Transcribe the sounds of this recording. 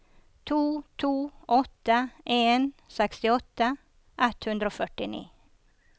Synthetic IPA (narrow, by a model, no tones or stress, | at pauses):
t̪ʰuːt̪ʰuːɔt̪əʔeːnsɛkst̪ɪɔt̪ə | ʔɛt̪hʉnd̪ɾoːfœʈɪnḭː